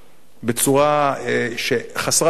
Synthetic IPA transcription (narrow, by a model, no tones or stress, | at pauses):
bet͡suʁaeʃeχasʁa